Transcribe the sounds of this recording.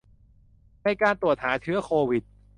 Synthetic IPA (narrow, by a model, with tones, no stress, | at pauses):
ma˧˩jkaː˧nt̪u˨˩ət̪̚haː˩˦˥t͡ɕʰɯ˦˥ɐkʰoː˧wi˨˩t̪̚